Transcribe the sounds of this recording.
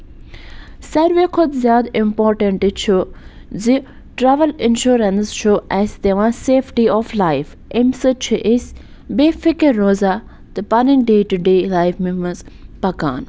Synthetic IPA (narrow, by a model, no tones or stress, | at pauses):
sɐɾʋekʰʊd̪zjaːd̪ɪmpoːɾʈɐɳʈit͡ʃʰuzi | ʈɾɛːʋəlɪnʃuːɾɐnsʃoːʔɛst̪eʋãːseːfʈiɔːflaɪf | ʔemsɨt͡ʃʰiʔɪs | beːfɪkeɾːoːzaː | t̪ɨpɐnɪ̃ŋk̚ɖeːʈuɖeːlajfmimɐnzpɐka̰ːn